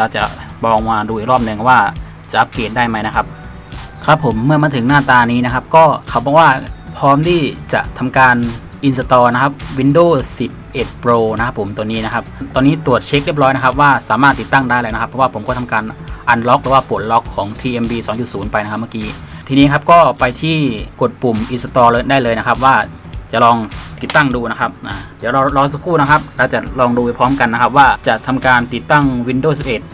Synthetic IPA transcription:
ɾa˧˩wt͡ɕa̰˨˩ | bɔː˧ŋmaː˧duː˧iː˨˩k̚ɾɔː˥˩p̚nɯ˧˩ŋ˧˩waː˥˩ | t͡ɕa˨˩ʔa˧˥pliː˨˩t̪̚daː˥˩jma˦˥jna˦˥kʰa˦˥p̚ | kʰa˦˥pʰːo˩˦mːɯ˥˩ɐmaː˧nt̪ʰɯ˩˦ŋnaː˥˩t̪aː˧niː˦˥na˦˥kʰa˦˥p̚kɔː˥˩kʰa˧˩wbɔː˨˩k̚waː˥˩pʰɔː˦˥mt̪ʰiː˥˩t͡ɕa̰˨˩ʔt̪ʰa˧mkaː˧n | ʔi˧nsa˧t̪ɔː˧na˦˥kʰa˦˥p̚wi˧˥ndoː˥˩si˨˩p̚ʔe˨˩t̪̚pɾoː˧na˦˥kʰa˦˥pʰːo˩˦mt̪u˧ənːiː˦˥na˦˥kʰa˦˥p̚t̪ɔː˧nːiː˦˥t̪u˨˩ət̪̚t͡ɕʰe˧˦˥k̚ɾi˥˩p̚ɾɔː˦˥jna˦˥kʰa˦˥p̚waː˥˩saː˩˦maː˥˩t̪ːi˨˩t̪ːa˥˩ŋdaː˥˩jlɛ˧˩na˦˥a˦˥pʰːɔ˦˥waː˥˩pʰo˩˦mkɔ˥˩˧mkaː˧nʔa˧nlɔ˦˥k̚ɾɯ˩˦waː˥˩pu˨˩ət̪̚lɔ˦˥kʰːɔː˩˦ŋt̪ʰiː˧ʔe˧mbiː˧sɔː˩˦ŋt͡ɕu˨˩t̪̚suː˩˦npa˧jna˦˥kʰa˥ma˥˩kiː˦˥ | t̪ʰiː˧niː˦˥kʰa˦˥p̚kɔː˥˩pa˧jt̪ʰiː˥˩ko˨˩t̪̚pu˨˩mʔi˨˩sa˧t̪ɔː˧lɤː˧daː˥˩jlɤː˧jna˦˥kʰa˦˥p̚waː˥˩ | t͡ɕa˨˩ʔlɔː˧ŋt̪i˨˩t̪ːa˥˩ŋduː˧na˦˥kʰa˦˥p̚ʔaː˨˩dɛ˨˦ɾɔː˧ɾɔː˧ŋs̬a˧kʰuː˥˩na˦˥kʰa˦˥p̚ɾaː˧wt͡ɕa˨˩lɔː˧ŋduː˧a˧˩jpʰɾɔː˦˥mka˧nːa˦˥kʰa˦˥p̚waː˥˩t͡ɕa˨˩ʔt̪ʰa˧mkaː˧nt̪i˨˩t̪ːa˥˩ŋwi˧ndoː˥˩si˨˩p̚ʔe˨˩t̪̚

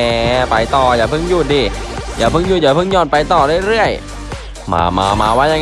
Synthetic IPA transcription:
ɛː˧˩pa˧jt̪ɔː˨˩jaː˨˩pʰɯ˧˥˩ŋjuː˥˩t̪̚diː˧˩jaː˨˩pʰɯ˧˥˩ŋjuː˥˩jaː˨˩pʰɯ˥˩ŋɲɔː˧˥˩n̚pa˧jt̪ɔː˨˩ɾɯ˥˩˨jɾɯ˥˩əj | ma̰ː˧ma̰ː˧maː˧waː˦˥ja˧ŋ

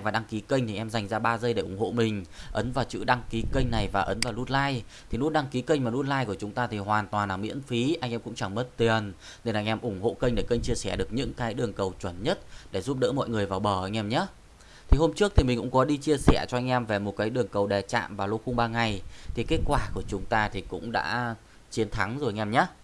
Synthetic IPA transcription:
vaː˨˩ɗa˧ŋki˨˦kə˧ŋt̪ʰi˨˩ʔɛ˧mza˨˩jŋ̟zaː˧ɓaː˧zə˧jɗe˧˩ʔʊ˧˩ŋ͡mho̰˧˨mï˨˩ŋ̟ʔə˨˦nvaː˨˩wt͡ɕɨ̰˧˥ɗa˧ŋki˨˦kə˧jŋ̟na˨˩jvaː˨˩ʔə˨˦nvaː˨˩wnu˦˥t̚laː˧j | t̪ʰi˨˩nu˦˥t̚ɗa˧ŋki˨˦kə˧jŋ̟maː˨˩nu˦˥t̚laː˧jku˧˩ət͡ɕʊ˨˦ŋ͡mt̪aː˧t̪ʰi˨˩hwaː˨˩nt̪waː˨˩nlaː˨˩mḭ˧˥ənfi˨˦ʔa˧jŋ̟ʔɛ˧mkʊ̰˧˥ŋ͡mt͡ɕa˧˩ŋmə˦˥t̚t̪i˨˩ən | ne˧˩nʔa˧jŋ̟ʔɛ˧mʔʊ˧˩ŋ͡mho̰˧˨kə˧ŋ̟ɗe˧˩kə˧jŋ̟t͡ɕi˧əsɛ˧˩ɗɨ˨˩ək̚ɲɨ̰˧˥ŋkaː˨˦jɗɨ˨˩əŋkə˨˩wt͡ɕwə˧˩nɲə˦˥t̚ɗe˧˩zu˦˥p̚ɗə̰ː˧˥mɔ̰˧˨jŋɨ˨˩əjvaː˨˩wɓəː˧˩ʔə˧˩ŋ̟ʔɛ˧mɲaː˨˦˥ | t̪ʰi˨˩ho˧mt͡ɕɨ˦˥ək̚t̪ʰi˨˩mi̟˨˩kʊ̰˧˥ŋ͡mkɔ˨˦ɗi˧t͡ɕi˧əsɛ˧˩t͡ɕɔ˧ʔa˧jŋ̟ʔɛ˧mve˨˩mo˨˩t̚kaː˨˦jɗɨ˨˩əŋkə˨˩wɗɛ˨˩t͡ɕa̰ː˧˨mvaː˨˩lo˧xʊ˧ŋ͡mɓaː˧ŋa˨˩jt̪ʰi˨˩ke˦˥t̚kwaː˧˩ku˧˩ət͡ɕʊ˨˦ŋ͡mt̪aː˧t̪ʰi˨˩kʊ̰˧˥ŋ͡mɗa̰ː˧˥ | t͡ɕi˨˦ənt̪ʰa˨˦ŋzo˨˩˧ŋʔɛ˧mɲaː˨˦˥

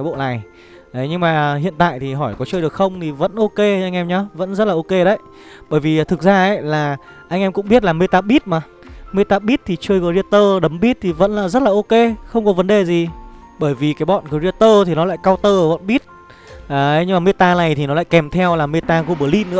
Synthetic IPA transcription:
ɔ˨˦jɓo̰˧˨na˨˩j | ʔə˨˦jɲɨ˧ŋmaː˨˩ɦḭ˧˨ənt̪a̰ː˧˨jt̪ʰi˨˩ɦɔ˧˩jkɔ˨˦t͡ɕəː˧jɗɨ˨˩ək̚xə˧wŋ͡mt̪ʰi˨˩və̰˧˥nʔo˧ke˧ʔa˧jŋ̟ʔɛ˧mɲɔ˨˦və̰˧˥nzə˦˥t̚laː˨ʔo˧ke˧ɗə˦j | ɓəː˧˩jvi˨˩˨t̪ʰɨ˨˩k̚zaː˧ʔə̰˧˦jlaː˨˩ | ʔa˧jŋ̟ʔɛ˧mkʊ̰˧˥ŋ͡mɓi˦˥t̬̚laː˨˩me˧t̪aː˧ɓi˦˥t̚maː˨˩ | me˧t̪aː˧ɓi˦˥t̚t̪ʰi˨˩t͡ɕəː˧jɣɔː˧˩zi˧ət̪əː˧ɗə˨˦mɓi˦˥t̚t̪ʰi˨˩və̰˧˥nlaː˨˩zə˦˥t̚laː˨ʔo˧ke˧xə˧wŋ͡mkɔ˨˦və˨˦nɗe˨˩zi˨˩ | ɓəː˧˩jvi˨˩kaː˨˦jɓɔ̰˧˨nkɔ˨˩zi˧ət̪əː˧t̪ʰi˨˩nɔ˨˦la̰ː˧˨jkaː˧wt̪əː˧və̰˧˥nɓi˦˥ət̚ | aː˨˩˨ɲɨ˧ŋmaː˨˩me˧t̪aː˧na˨˩jt̪ʰi˨˩nɔ˨˦la̰ː˧˨kɛ˨˩mt̪ʰɛ˧wlaː˨˩me˧t̪aː˧ɣu˧ɓɨː˧˩li˧˥nɨ̰˧˥ə

